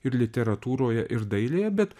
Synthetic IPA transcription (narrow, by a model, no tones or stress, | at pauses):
ɪɾlʲɪt̪ʲɛɾɐt̪uːɾoːjɛʔɪɾd̪ɐɪlʲeːjɛbʲɛt̪